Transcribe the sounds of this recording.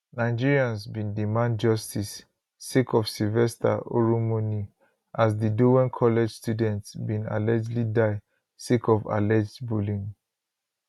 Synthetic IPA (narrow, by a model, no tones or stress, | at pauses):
naɪd͡ʒiɹiãnsbĩndimãnd̚d͡ʒɔstisː | ikʰɔfsilvɛstʰa̰o̰ɹumuni | ʔas̬diduwɛ̃nkʰɔlɛd͡ʒstjudɛ̃ntsbĩna̰lɛd͡ʒlidaɪ | sikɔva̰lɛd͡ʒdbulĩŋ